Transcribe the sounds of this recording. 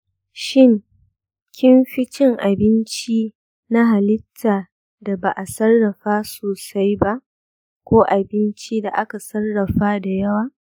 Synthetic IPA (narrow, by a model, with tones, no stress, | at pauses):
ʃɪ˦ŋ | kʲʰɪ˦mɸɪ˦t͡ʃɪ˦ŋʔa˨bɪ˦nt͡ʃiː˦ | na˦ɦa˨lɪ˦tʰːaː˨ | da˨ba˨ʔa˨sɐ˦rːɐ˨ɸaː˦soː˨sa˦jba˦ʔ | kʷoː˦ʔa˨bɪ˦nt͡ʃi˦da˨ʔa˦ka˨sɐ˦rːɐ˨ɸaː˦da˨jɐ˦waː˨